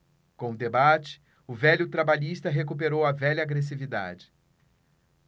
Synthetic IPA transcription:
kõʊd̪ebat͡ʃɪ̥ | ʊvɛʎʊt̪ɾabaʎist̪ɐɦekup̬eɾowɐvɛʎɐːɡɾes̬ivid̪a̰d͡ʒɪ̥

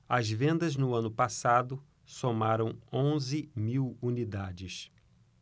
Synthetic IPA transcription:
ɐzvẽnd̪ɐznʊɐ̃nʊpasad̪ʊ | somaɾɐ̃w̃õzɪmiwunid̪ad͡ʒɪs

